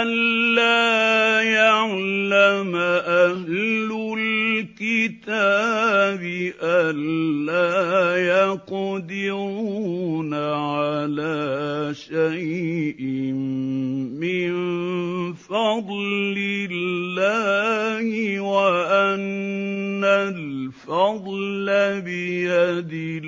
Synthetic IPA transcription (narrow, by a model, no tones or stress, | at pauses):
ʔalːaːjaʕlːamaʔahlʊlkɪt̪a | bɪʔalːaːjɑqd̪ɪɾuːnaʕalaːʃajʔɪ | mɪn | fɑd̪ˤlɪlːaːhɪwaʔanː | alfɑd̪ˤlabɪjad̪ɪ